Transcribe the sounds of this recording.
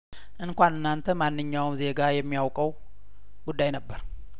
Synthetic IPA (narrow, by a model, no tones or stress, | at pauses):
ʔɨŋkʷanɨnːant̪ʰəmanːɨɲːawmze̞ɡajɛmːijawkʼəw | ɡ̥ud̪ːajnəbːəɾ